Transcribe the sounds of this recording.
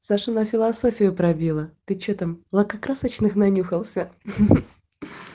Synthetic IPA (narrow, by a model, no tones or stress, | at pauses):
saʂɨnɐfʲɪlˠɐso̞fʲɪjʊpɾɐbʲilˠət̪ɨt͡ɕot̪amlˠɐkɐkɾasət͡ɕnɨxnɐnʲuxəlˠsʲə